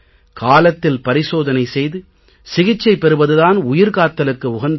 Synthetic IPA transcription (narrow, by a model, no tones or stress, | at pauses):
kaːlɐt̪ːɪlpɐɾɪsoːðɐnɐɪsɛjðɯ | sɪɣɪt͡ʃːɐɪpɛɾɯʋɐðɯðaːnʊjɪɾkaːt̪ːɐlɯkːɯʊɣɐnd̪